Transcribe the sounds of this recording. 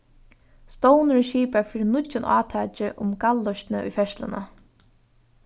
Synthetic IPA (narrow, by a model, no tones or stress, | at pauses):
st̪ownɪɾʃiːpaɹfiːɾɪnʊɪnʔɑ̰ːt̪ʰaːt͡ʃɪʔʊmkalːɔʃt̪nɪʊ̰jfɛʃt̪lɪ̰na̰